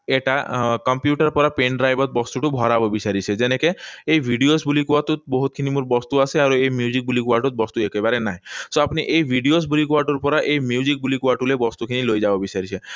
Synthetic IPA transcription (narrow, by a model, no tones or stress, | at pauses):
eʈakɔmpjuʈəɾpɔɾapenɖɾajbɔt̪̚bɔst̪uʈubʱɔɾabobisaɾit͡ʃʰed͡ʒenekeejʋʱiɖiosbulikuaʈut̪̚bɔɦut̪̚kʰinimuɾbɔst̪uaseaɾuemjud͡ʒik̚bulikʋaʈut̪̚bɔst̪uekebaɾenaɦesoapniʔejʋʱiɖios̬bulikʋaʈuɾpɔɾaʔejmjud͡ʒik̚bulikuwaʈulebɔst̪ukʰinilojd͡ʒabɔbisaɾit͡ʃʰe